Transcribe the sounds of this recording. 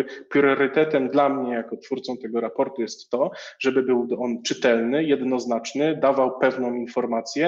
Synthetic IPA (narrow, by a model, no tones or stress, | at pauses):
pɾɔɾɘt̪ɛt̪ɛmd̪lamɲɛjakɔt̪fuɾt̪sɔ̃w̃t̪ɛɡɔɾapɔɾt̪ujɛst̪ːɔʐɛbɘbɘwɔnt͡ʂɘt̪ɛlnɘjɛd̪nɔznat͡ʂnɘd̪avawpɛvnɔ̃w̃infɔɾmat̪sʲjɛ